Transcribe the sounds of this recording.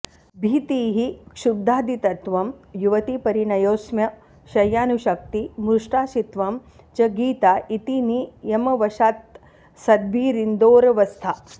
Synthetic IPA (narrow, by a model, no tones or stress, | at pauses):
bʱiːt̪iːɦikʂub̚d̪ʱaːd̪it̪ɐt̪ʋɐmjuʋɐt̪ipɐɾiɳɐjoːsmjɐ | ʃɐjaːnuʃɐk̚t̪imuɾʂʈaːʃit̪ʋɐm | t͡ʃɐɡiːt̪aːʔit̪inijɐmɐʋɐʃaːt̪ | sɐd̪̚biːɾind̪oːɾɐʋɐst̪ʰa